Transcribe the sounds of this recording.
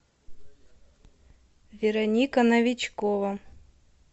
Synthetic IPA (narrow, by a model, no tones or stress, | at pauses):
vʲɪɾɐnʲikɐnɐvʲɪt͡ɕkovɐ